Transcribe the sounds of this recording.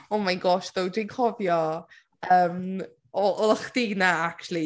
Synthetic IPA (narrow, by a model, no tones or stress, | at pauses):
ɔmajnɡɔːʃðowdinkʰɔvjɔ | əːm | ɔʔɔlˠaχd̥inaak̚tʰulˠi